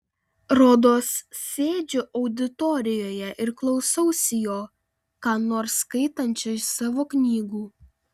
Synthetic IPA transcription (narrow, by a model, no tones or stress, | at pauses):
ɾɔd̪oːsːʲeːd͡ʒʲoʔɐʊd̪ʲɪt̪ɔɾʲɪjoːjɛʔɪɾklˠɒʊsɐʊsʲɪjoː | kɑːnoːɾskɐɪt̪ɐnʲt͡ʃʲojsɑːʋoːknʲiːɡuː